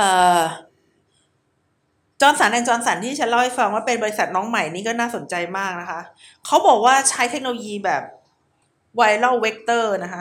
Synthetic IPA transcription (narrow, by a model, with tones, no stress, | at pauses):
ʔɤː˨˩ | t͡ɕɔː˧nsa˩˦nʔɛ˨˩ŋt͡ɕɔː˧nsa˩˦nt̪ʰiː˥˩t͡ɕʰa˦˥nla˥˩ha˥˩jfa˧ŋwaː˥˩pe˧nbɔː˧ɾi˦˥sa˨˩t̪̚nɔː˦˥ŋma˨˩jniː˦˥kɔː˥˩naː˥˩so˨˩˦nt͡ɕa˧jmaː˥˩k̚na˦˥kʰa˦˥ʔ | kʰa˦˥wbɔː˨˩k̚waː˥˩t͡ɕʰa˦˥jt̪ʰe˦˥k̚no˧lo˧jiː˧bɛː˨˩p̚ | wa˧jlɔ˥˩wwe˦˥k̚t̪ɤː˥˩na˦˥kʰa˦˥